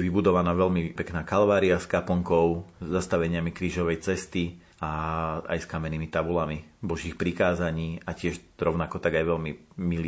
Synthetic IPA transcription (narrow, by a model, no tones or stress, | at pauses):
ʋibud̪ɔʋanaːʋɛʎmipɛknaːkalʋaːɾiaskapɔŋkɔʊzːast̪aʋɛɲɪamikɾiːʒɔʋɛjt͡sɛst̪i | aa̰jskamɛniːmit̪abulamibɔʒiːxpɾikaːzaɲiːacɪɛʃɾɔʊnakɔt̪aɡajʋɛlmimil